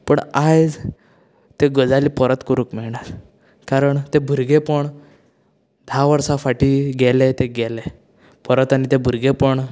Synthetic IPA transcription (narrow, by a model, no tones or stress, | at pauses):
pəɳajd͡z | t̪eɡəd͡zalipəɾət̪kəɾuːkmɛɭɳat͡s | kaɾəɳt̪ebʱuɾɡepəɳ | d̪ʱaʋəɾsafaʈiːɡɛlet̪eɡɛle | pəɾət̪anit̪ebʱuɾɡepəɳ